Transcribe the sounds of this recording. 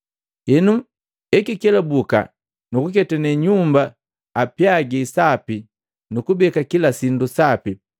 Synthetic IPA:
inu | ɛkikɛlabuka̰ | nukuk̬ɛtanɛɲumbaː | pjaɡisapi | nukubɛkakilasindusapi

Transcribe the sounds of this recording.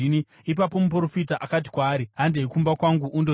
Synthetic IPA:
ini | ipapo̞mup̬uɾo̞fitaʔakat̬i̥kwaːɾiɦandeikumbakwaŋɡuʔundo

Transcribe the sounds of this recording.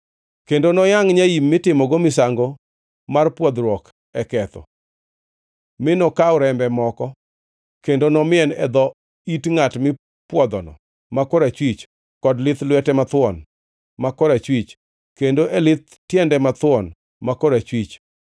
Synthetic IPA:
kendonɔjaŋɲaimːɪtɪmɔɡomɪsaŋɡo | marpwɔd̪ɾwɔk | ɛkɛt̪ɔ̰ | mɪnɔkaʊɾɛmbɛmɔkɔ | kendonɔmɪɛnɛ̰d̪ɔ | itŋatmɪ | pwɔd̪ɔnɔ̰ | makɔɾat͡ʃwit͡ʃ | kɔdlɪt̪lwɛtɛmat̪wɔn | makɔɾat͡ʃwit͡ʃ | kendoʔɛlɪt̪ | tːjɛndɛmat̪wɔn | makɔɾat͡ʃwit͡ʃ

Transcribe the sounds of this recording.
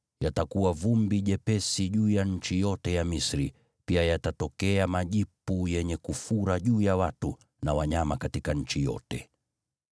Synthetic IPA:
jatakuwavumbiʄɛpɛsiʄuːjaɲ̩t͡ʃijɔtɛjamisɾi | piajatatɔkɛamaʄipujɛɲɛkufuɾaʄuːjawatu | nawaɲamakatikaɲ̩t͡ʃijɔ̰tɛ

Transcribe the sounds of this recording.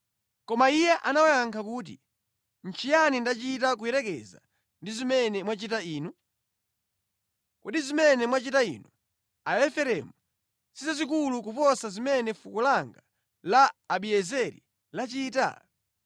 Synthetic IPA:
kɔmaijɛʔanawɔjaŋkʰakuːt̬i | n̩t͡ʃʰijanindat͡ʃitak̬ujɛɾɛkɛ̰za̰ | ndizimɛnɛmwat͡ʃitaiːnu | kuɗizimɛnɛmwat͡ʃitaḭnu | ajɛfɛɾɛmu | sisazik̬ulukupɔsazimɛnɛfukulaŋɡa | laːɓiɛzɛɾḭ | lat͡ʃiːta̰

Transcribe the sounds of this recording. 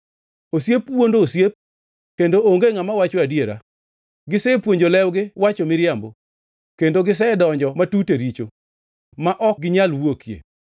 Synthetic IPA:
osjepwondoːsjep̚ | kendooŋɡeŋamawat͡ʃoadjeɾa̰ | ɡɪsɛpwoɲd͡ʒolɛwɡɪwat͡ʃomɪɾjambo | kendoɡɪs̬ɛdɔɲd͡ʒɔmatuteɾit͡ʃo | maʔɔk̚ɡɪɲalwokjḛ

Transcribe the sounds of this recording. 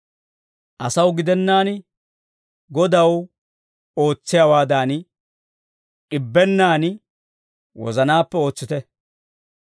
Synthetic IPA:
ʔɐsɐwɡɪd̪ɛnːaːn | ɡɔd̪ɐw | o̞ːt͡sːɪjaːwaːd̪aːn | ʔɪbːɛnːaːn | wɔ̰zɐnaːpːɛo̞ːt͡sːɪt̪ɛ

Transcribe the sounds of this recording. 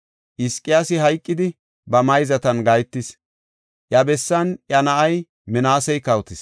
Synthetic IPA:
ʔɪskʼːɪjaːsɪɦɐjkʼːɪd̪ɪ | bɐmɐjzɐt̪ɐnɡɐjt̪ːɪs | ʔjɐbɛsːɐnjɐnɐʔɐj | mɛnaːsɛjkɐwt̪ɪs

